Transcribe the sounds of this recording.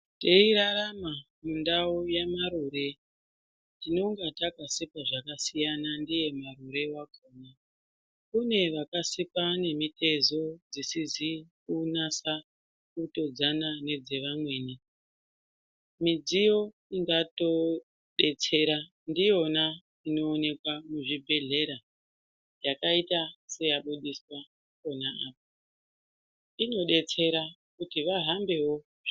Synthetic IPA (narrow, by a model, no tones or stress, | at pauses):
te̞iɾaɾama | mundaojamaɾuɾe̞ | tino̞ŋɡatakasipaʐakasijanandije̞maɾuɾe̞wakʰoːna | kune̞ʋakasipane̞mite̞zo̞d͡zisizikunasa | kuto̞d͡zanane̞d͡ze̞ʋamwe̞ːni | mid͡zijo̞ | iŋɡato̞ | ɗe̞t͡se̞ɾa | ndijo̞na | ino̞ːne̞kwamuʐibʱe̞ɮe̞ɾa | jakaitase̞jaɓuɗiswa | ko̞naaːp̚o | ino̞ɗe̞t͡se̞ɾa | kutiʋaɦambe̞wo